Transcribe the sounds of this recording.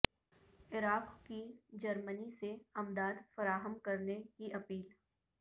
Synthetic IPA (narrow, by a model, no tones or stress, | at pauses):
ɪɾaːqkid͡ʒɐɾməniseɐmd̪aːd̪fɐɾaːɦəmkɐɾnekiʔɐpiːl